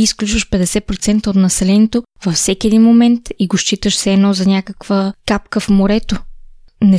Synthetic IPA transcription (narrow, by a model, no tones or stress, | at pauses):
isklʲut͡ʃvəʃpɛd̪ɛsɛpɾot̪sɛnt̪əot̪nɐsɛlɛniɛt̪o | vɐfsɛkʲiɛd̪inmomɛnt̪iɡoʃt͡ʃit̪əʃsɛːnɔzɐnʲakəkvəkap̚kəfmoɾɛt̪o | nɛ